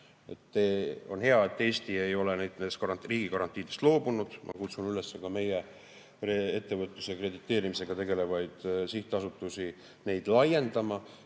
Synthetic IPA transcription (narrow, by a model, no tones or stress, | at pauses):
e̞̰t̪ːeo̞̰nɦe̞ɑe̞t̪ːe̞ːst̪ie̞jo̞lenejd̪ned̪ekɑɾɑriːɡ̥ikɑɾɑnt̪ːˑiːd̪̥e̞st̪loːbunud̪̥mʔɑ̰kut̪sunylesːekɑme̞je | ree̞t̪ːe̞vɤt̪ːˑusekre̞d̪it̪ˑːe̞ːɾimise̞ɡ̥ɑt̪e̞ɡe̞le̞vɑjd̪̥siht̪ːˑeɑsut̪ːˑusi | ne̞jd̪̥lɑje̞nd̪̥ɑmɑ